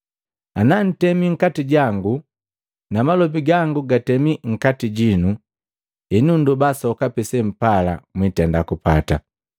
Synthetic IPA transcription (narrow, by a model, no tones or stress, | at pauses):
anan̩tɛmiŋ̩katiɟaŋɡu | namalɔp̬iɡaŋɡuɡatɛmiŋ̩katiɟinu | inundubasɔkapɛsɛm̩pala̰mwitɛndakupata